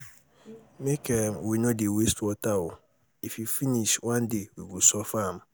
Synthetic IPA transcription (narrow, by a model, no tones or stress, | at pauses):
mekʰɛ̃mwinõdewestwɔtʰawʊ | ifjifiniʃwãndewiɡosɔfãm